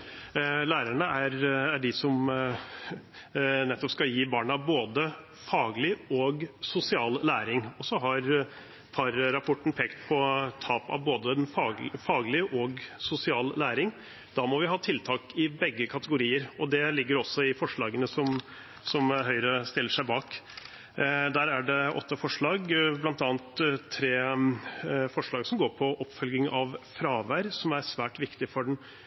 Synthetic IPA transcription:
læːɾəɳəʔæɾæɖɪsɔm | nɛt̪ːɔpskɑljiːbɑːɳɑboːd̪ə | fɑːɡlɪɔɡsʊsɪɑːllæːɾɪŋɔsɔɦɑɾ | pʰɑɾɾɑpʰɔʈːn̩pʰeːkt̪pʰɔt̪ʰɑːpɑ̰ʋboːd̪əɛnfɑːfɑːɡlɪʔɔɡsʊsɪɑːllæːɾɪŋ | d̪̥ɑmɔʋɪɦɑːt̪ʰɪlt̪ʰɑːkɪbɛɡːəkʰɑt̪əɡʊɾiːəɾɔd̪ɛlɪɡːəɾɔsːɔɪfɔʂɭɑːɡənəsɔm | sɔmɦœʏɾəst̪ɪlːəʂæɪbɑːk | d̪æːɾæɖɛʔɔ̰t̪ːəfɔʂɭɑːɡblɑnt̪ɑːnt̪t̪ʰɾeː | fɔʂɭɑːɡsɔmɡoːɾpʰɔʔɔpfœlɡɪŋɑʋfɾɑːʋæɾsɔmæɾsʋæːʈʋɪkt̪ɪfɔɖɛn

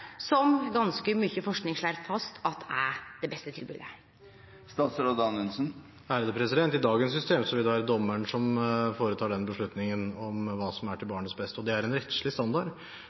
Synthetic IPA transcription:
sɔmɡɑnskəmyçəfɔʂknɪŋʂɭæɾfɑst̪ʰɑt̪æd̪ɛbɛst̪ət̪ʰɪlbʉ̰d̪ə̰ | st̪ɑsɾɔd̪ɑnʉnsən | æːɾəd̪əpʰɾɛsɪd̪ɛnt̪ɪd̪ɑːɡənsːʏst̪ʰeːmsɔʋɪld̪ɛʋæːɾəd̪ɔmːəɳʂɔmfoːɾət̪ʰɑːɖɛnbəʂɭʉt̪nɪŋənɔmʋɑːsɔmæʈʰɪlbɑːɳət̪sbɛst̪ɔd̪ɛæɾɛnɾɛt̪ʃɭɪst̪ɑnd̪ɑɖ

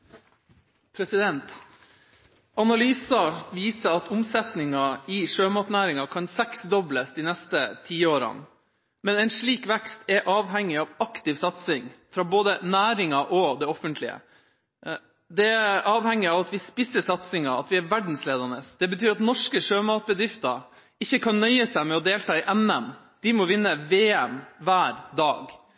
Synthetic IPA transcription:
pʰɾɛsɪd̪ɛnt̪ | ɑnɑlyːsɑʋiːsəɑt̪ʰʊmsɛt̪nɪŋɑɪʂøːmɑːt̪næːɾɪŋɑkʰɑnsɛksd̪ɔbləsd̪inɛst̪ət̪ʰiːoːɾɑ̰n | mɛnɛɪnʂɭiːkʋɛkst̪ʰɛʔɑːʋɦɛŋːɪɑʋɑkt̪ɪʋsɑt̪sɪŋfɾɑːboːd̪ənæːɾɪŋɑʔɔd̪ɛɔfənt̪ʰlɪə̰ | d̪ɛæɑːʋhɛŋːɪɑːʋɑt̪ʋɪspɪsːəsɑt̪sɪŋɑɑ̰t̪ʋɪæɾʋæɖɳ̩sleːd̪ɑnəsd̪̥ɛbət̪ʰyːɾɑt̪nɔʂkəʂøːmɑːt̪̚bəd̪ɾɪft̪əɾ | ɪçːəkʰɑnnœʏəsæɪmɛɔd̪eːlt̪ʰɑːɪʔɛnɛm | d̪̥ɪmɔʋɪnːəʋeːɛmʋæːɾd̪ɑːɡ

